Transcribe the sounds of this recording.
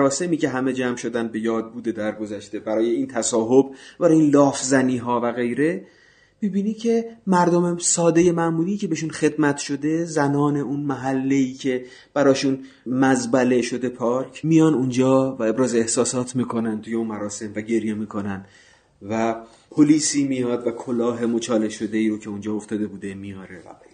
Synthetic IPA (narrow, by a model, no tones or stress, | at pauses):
ɾɒːse̞miːcʰe̞ɦæme̞d͡ʒæmʃo̞d̪ænd̪̚be̞jɒːd̪̚buːd̪e̞d̪æɾɡo̞zæʃt̪e̞bæɾɒːjeint̪ʰæsɒːɦo̞bbæɾɒːjeinlɒːfzæniːɦɒːvæɣe̞jɾe̞ | mibiːnicʰe̞mæɾd̪omesɒːd̪e̞je̞mæʔmuːɾiːcʰe̞beʃunxe̞d̪mæt̪ʰʃo̞d̪e̞zænɒːne̞ʔunmæɦælːe̞iːcʰe̞ | b̥æɾɒːʃun | mæzbæle̞ʃo̞d̪e̞pʰɒɾcʰmijɒːnund͡ʒɒːvæe̞bɾɒːzeehsɒːsɒːt̪ʰmiːkʰo̞nænt̪ʰuje̞unmæɾɒːse̞mvæɟe̞ɾjemiːkʰo̞næn | væ | pʰoliːsiːmijɒːd̪vækʰolɒːɦe̞mot͡ʃʰɒːle̞ʃo̞d̪e̞iːɾocʰe̞und͡ʒɒːoft̪ɒːd̪e̞buːd̪e̞mijɒːɾevæ̰bej